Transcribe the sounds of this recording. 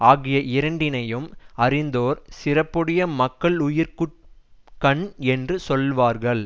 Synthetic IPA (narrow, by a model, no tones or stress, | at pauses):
aːɣɪjɐʔɪɾɐɳɖɪnɐjɯmɐɾɪnd̪oːɾsɪrɐpːɯɽɐjɐmɐkːɐɭʊjɪɾkɯʈ̚kɐɳɛndrɯsɔlʋaːɾɣɐɭ